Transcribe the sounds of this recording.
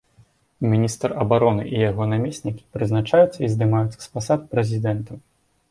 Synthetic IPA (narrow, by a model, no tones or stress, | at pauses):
mʲinʲist̪rɐbaɾɔnɨʔijaɣɔnamʲesʲnʲikʲi̥pɾɨznat͡ʂajut̪sːɐizd̪ɨmajut̪sːɐ̥spasat̪pɾɛzʲid̪ɛnt̪ɐ